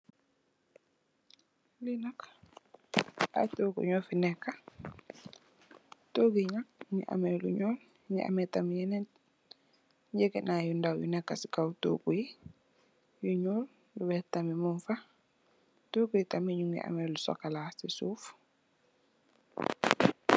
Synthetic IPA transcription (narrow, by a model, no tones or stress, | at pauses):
linak | a̰toːɡṵɲɔfinɛkːa | toɡiɲak̚ɲḭʔa̰mɛlṵɲɔl | ɲḭʔa̰mɛtamijɛnɛt | ɲd͡ʒɛkɛnajundawjṵnɛkːasi̥kawto̰kuji | juɲɔːl | juwɛtːamimunfa | toːɡujitamiɲuŋɡḭʔa̰mɛlusɔ̰kalasisuːf